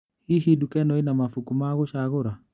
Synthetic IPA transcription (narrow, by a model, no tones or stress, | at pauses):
hiɦidukɛnɔinamafukumaɣoʃaɣoɾa